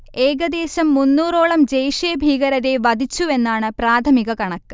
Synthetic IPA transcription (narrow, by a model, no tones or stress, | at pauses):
e̞ːɡɐd̪e̞ːɕɐmːunːuːro̞ːɭɐmd͡ʑejʂejɐbʱiːɣɐɾɐðe̞ʋɐd̪ʱit͡ɕːue̞nːaːɳɨpraːt̪ʰɐmiɣɐkɐɳɐkːɨ̥